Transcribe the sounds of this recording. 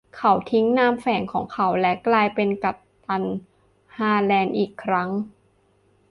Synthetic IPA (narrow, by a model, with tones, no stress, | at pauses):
kʰa˨˩˦wt̪ʰi˦˥ŋnaː˧mfɛː˩˦nkʰɔː˩˦ŋkʰa˧˦wlɛ˦˥klaː˧jpe˧nka˨˩p̚t̪a˧n | haː˧lɛː˧nʔiː˨˩kʰːɾa˦˥ŋ